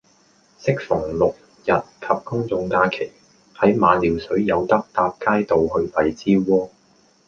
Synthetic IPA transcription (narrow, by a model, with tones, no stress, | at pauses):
sɪ˥k̚fʊ˨˩ŋlʊ˨k̚ | jɐ˨t̚kʰɐ˨p̚kʊ˥ŋt͡sʊ˧ŋk̪aː˧kʰe˨˩j | hɐ˨˥jmaː˨˧nliː˨˩wsɵ˨˥ɥjɐ˨˧wt̪ɐ˥k̚t̪aː˧p̚kaː˥jt̪o˨˧wɦɵ˧ɥp̪ɐ˨jt͡siː˥wɔː˥